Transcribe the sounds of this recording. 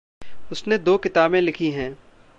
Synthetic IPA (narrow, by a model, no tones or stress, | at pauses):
ʊsned̪oːkɪt̪aːbẽlɪkʰiɦɛ̃ː